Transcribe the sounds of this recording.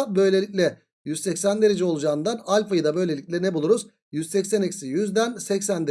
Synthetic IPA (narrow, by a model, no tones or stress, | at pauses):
bø̞jlʲe̞lʲicʲlʲɛ | jyz̥sɛcsænd̪eɾed͡ʒɛo̞lˠud͡ʒaːɯnd̪analʲfajɯd̪abø̞jlʲe̞lʲicʲlʲɛnɛbulˠuɾuz | jyz̥sɛcsænecʲsijyzd̪ænsɛcsænd̪e